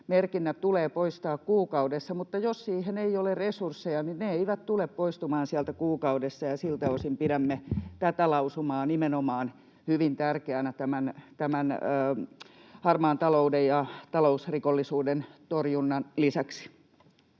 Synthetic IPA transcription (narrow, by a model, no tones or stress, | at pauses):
merkinːæt̪uleːpoist̪ɑːkkuːkɑudesːɑmut̪ːɑjossiːheneiolerresursːejɑninneeiʋæt̪t̪uleppoist̪umɑːnsiælt̪ækuːkɑudesːɑjɑsilt̪æosimpiɾæmːet̪æt̪ælɑusumɑːnimenomɑːn | hyʋint̪ærkeænæt̪æmænt̪æmænəː | hɑrmɑːnt̪ɑloudejjɑt̪ɑlousrikolːisuːdent̪orjunːɑnlisæksi̥